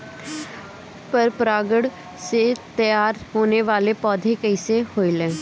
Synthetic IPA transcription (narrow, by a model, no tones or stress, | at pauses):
pəɾpɾaːɡəɽ | seːt̪əjaːɾɦoːneːʋaːleːpɔːd̪ʱeːkəɪseːhoːiːlɛ̃ː